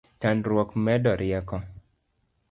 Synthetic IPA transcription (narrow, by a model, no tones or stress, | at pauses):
tanɾwɔkmɛdɔɾʔɪɛkɔ